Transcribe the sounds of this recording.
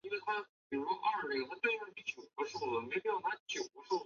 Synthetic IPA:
i˥nwe˥˩ɪt̪ʰa˥pi˨˩ɻu˧˥ʂɔ˥ʔɐ˥˩nə˥˩t̪ʰa˥t̪̩˥˧˥i˥˩t͡ɕjo˨˩ʊkɤ˧˥ʂo˥˩ʊd̪ə˩me˧˥ɪpi˥jɑ˥˩t̪ʰa˥˩t͡ɕʰjo˨˩ʊkɤ˧˥ʂo˥˩ʊ

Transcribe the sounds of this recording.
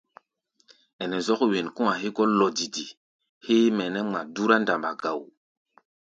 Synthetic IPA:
ɛ˨nɛ˨zɔ˦kwe˨nkũ˦a˨ɦe˦kɔ˦lɔ˨di˨di˨ | he˦mɛ˨nɛ˦ma˨du˦ɾa˦nda˨mba̰˨ɡ̥a˨w

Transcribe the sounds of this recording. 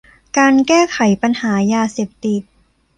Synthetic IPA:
kaː˧nkɛː˥˩kʰa˩˦jpa˧nhaː˩˦jaː˧seː˨˩p̚t̪i˨˩t̪̚

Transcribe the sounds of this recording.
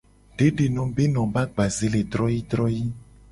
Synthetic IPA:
ɖ̥e˦ɖe˨nɔ̃˨be˦nɔ̃˨ba˦ɡ͡ba˨ze˦le˨d̪ɾɔ˦ji˦d̪ɾɔ˦ji˦

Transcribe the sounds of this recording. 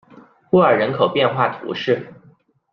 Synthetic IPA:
u˥ə˞˨˩ɻə˧˥nkʰo˨˩ʊpjɛ˥˧nxwa˥˩t̪ʰṵ˧˥ʂɻ̩˥˩

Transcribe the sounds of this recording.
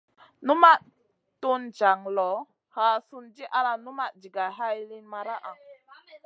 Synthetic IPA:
nu˦ma˦ʔ | tu˦nd͡ʒa˨ŋlɔ˨˦ | ha˨su˧nd͡ʒi˦ʔa˧la˧nu˦ma˦˨ʔd͡ʒi˨ɡa˨ɦa˦jli˦nma˧ɾa˦ʔa˨

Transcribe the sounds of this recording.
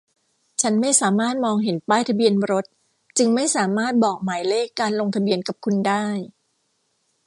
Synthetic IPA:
t͡ɕʰa˦˥nma˥˩jsaː˩˦maː˥˩t̪̚mɔː˧ŋɦe˩˦npaː˥˩jt̪ʰa˧bi˧ənɾo˦˥t̪̚ | t͡ɕɯ˧ŋma˥˩jsaː˩˦maː˥˩t̪̚bɔː˨˩k̚maː˩˦jleː˥˩kːaː˧nlo˧ŋt̪ʰa˧bi˧ənka˨˩p̚kʰu˧ndaː˥˩j

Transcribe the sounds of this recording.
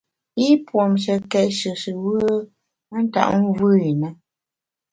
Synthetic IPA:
i˦pwɔ˨mʃə˨kɛ˨ʔʃə˨sɨ˨wə˦ | a˦n̩˦ta̰˨ʔŋ̩˦vɨ˦i˨na˦

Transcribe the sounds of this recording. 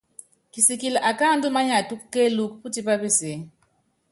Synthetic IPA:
ki˨si˨ki˨la˨ʔa˨ka˦ndu˦ma˦ɲa˨tu˦kke˦lu˦kpu˦ti˦pa˦be˦ze˨˦

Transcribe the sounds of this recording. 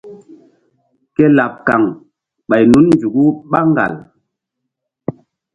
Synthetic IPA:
ke˦la˨p̚ka˨ŋ | ɓa˨jnu˨˦nnd͡ʒu˨ɡu˦ɓa˦ŋɡa̰˨l

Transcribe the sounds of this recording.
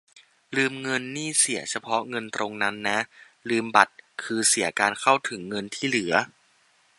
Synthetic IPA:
lɯː˧mŋɤ˧nːiː˥˩si˩˦ɐt͡ɕʰa˧pʰɔ˦˥ŋɤ˧nt̪ɾo˧ŋna˦˥nːa˦˥ʔ | lɯː˧mba˨˩t̪̚kʰɯː˧si˩˦kaː˧nkʰa˥˩wt̪ʰɯ˩˦ŋːɤ˧nt̪ʰiː˥˩lɯ˩˦ɐ

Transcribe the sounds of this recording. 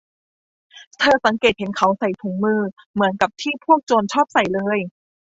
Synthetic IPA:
t̪ʰɤː˧sa˩˦ŋke˨˩t̪̚he˩˦nkʰa˩˦wsa˨˩jt̪ʰuː˩˦ŋmɯː˧ | mɯ˩˦ənka˨˩p̚t̪ʰiː˥˩pʰu˥˩ək̚t͡ɕoː˧nt͡ɕʰɔː˥˩p̚sa˨˩jlɤː˧j

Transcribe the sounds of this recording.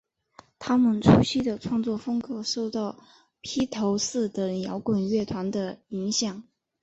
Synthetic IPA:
t̪ʰa˥mə˨nʈ͡ʂʰu˥ɕi˥˩d̪ə˩ʈ͡ʂʰwɑ˥˧ŋt͡swɔ˥˩fɤ˥ŋkɤ˧˥ʂo˥˧ʊt̪ɑ˥˩ʊ | pʰi˥t̪ʰo˧˥ʊsɹ̩˥˩t̪ə˨˩ŋjɑ˧˥ʊkwə˨˩nɥɛ˥˩t̪ʰwa˧˥nd̪ə˧i˧˥ŋɕjɑ˨˩˦ŋ

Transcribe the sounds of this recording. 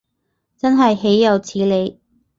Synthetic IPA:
t͡sɐ˥nɦɐ˨jɦe˨˥jːɐ˨˧wt͡sʰiː˨˥le˨˧j

